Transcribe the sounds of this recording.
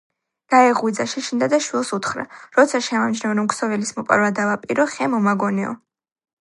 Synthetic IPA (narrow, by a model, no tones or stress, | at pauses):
ɡ̪̥aɛʁwid̪zaʃɛʃind̪ad̪aʃwilˠsut̪χɾa̰ɾɔt̪sʰaʃɛmamd͡ʒnamɾɔmksɔvilismɔpʼa̰ɾvad̪avapʼiɾɔχɛmɔmaɡɔnɛɔ̰